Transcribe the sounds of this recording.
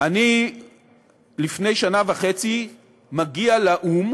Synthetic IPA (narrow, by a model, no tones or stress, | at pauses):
ani | lifne̞jʃanavaχe̞t͡si | maɡialaʔum